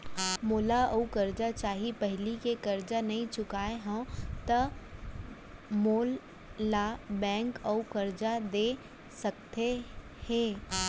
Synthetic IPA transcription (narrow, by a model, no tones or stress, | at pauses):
moːlaɐukɐɾd͡ʒat͡ʃaːɦipɐɦlikekɐɾd͡ʒanɐɦĩt͡ʃʊkaːeɦãt̪ɐ | moːlː | abɛ̃ːŋkɐukɐɾd͡ʒad̪eː | sɐk̚t̪e | hɛ̃ː